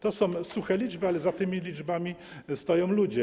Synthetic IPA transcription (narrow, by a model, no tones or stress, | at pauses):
t̪ɔsɔ̃w̃suxɛlʲid͡ʐbɘalɛzat̪ɘmʲilʲid͡ʐbamʲi | st̪ɔjɔ̃w̃lud͡ʑɛ